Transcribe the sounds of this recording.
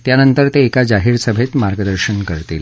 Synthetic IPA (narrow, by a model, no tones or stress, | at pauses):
t̪janənt̪əɾt̪eːkad͡ʑaɦiːɾsəbʱet̪maɾɡəd̪əɾɕənkəɾt̪il